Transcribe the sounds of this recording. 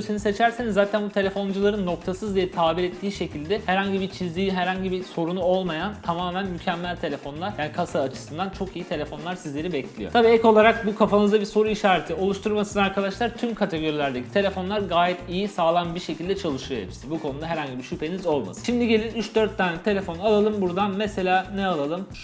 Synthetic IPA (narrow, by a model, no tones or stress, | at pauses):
sinise̞t͡ʃʰæɾsenizːaːt̪ʰænbut̪ʰe̞lʲe̞fo̞nd͡ʒulˠaɾɯnːo̞kt̪ʰasɯzd̪ijɛt̪ʰaːbiɾɛt̪ːiːʃe̞cʰilʲd̪ɛhæɾhaɲɟibiɾt͡ʃʰizlʲijiɦæɾhaɲɟibiso̞ɾunuo̞lˠmajant̪ʰamaːmænmycʰɛmːælʲt̪ʰe̞lʲe̞fo̞nlˠaɾjaːnikʰasaːt͡ʃʰɯ̥sɯnd̪ant͡ʃʰo̞kijit̪ʰe̞lʲe̞fo̞nlˠaɾsizlʲe̞ɾibɛclʲḭjo̞̰t̪abiːɛko̞lˠaɾak̚bukʰafanɯzd̪abiso̞ɾuiʃaːɾet̪ʰio̞lˠuʃt̪ʰuɾmasɯnaɾkʰad̪aʃlˠaɾt̪ʰymkʰat̪ʰe̞ɡo̞ɾilʲæɾd̪ecʰi̥t̪ʰe̞lʲe̞fo̞nlˠaɾɡaːjɛt̪ijisaːlˠanbiʃe̞cilʲd̪ɛt͡ʃʰalˠɯʃɯjoebiʃsibukʰo̞nud̪aɦɛɾhaɲɟibiʃypʰe̞nizo̞lˠma̰sɯ̥ʃimd̪iɟe̞lʲinyt͡ʃd̪øɾt̪ːaːnʲik̚t̪ʰe̞lʲe̞fo̞nalˠalˠɯmbuɾd̪anmese̞lʲaːnɛalˠalˠɯm